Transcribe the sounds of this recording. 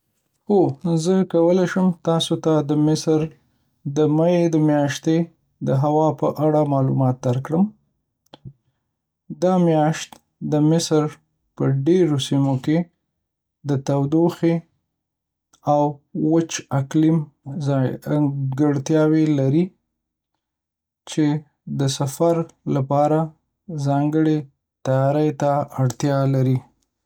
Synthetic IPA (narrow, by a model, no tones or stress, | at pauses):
hozəkawəlajʃəmt̪ɑsot̪ad̪əmɪsɾ | d̪əmajed̪əmjɑʃt̪e | d̪əɦawɑpəʔaɽamɑlṵmɑt̪̚d̪aɾkɽəm | d̪ɑmjɑʃt̪ | d̪əmɪsɾ | pəɖeɾosimoke | d̪ət̪awd̪oxe | awːət͡ʃaklim | ɡəɽt̪jɑwelaɾi | t͡ʃe | d̪əsafaɾlapɑɾa | zɑŋɡəɽe | t̪ajɑɾəjt̪aaɽt̪jɑlaɾi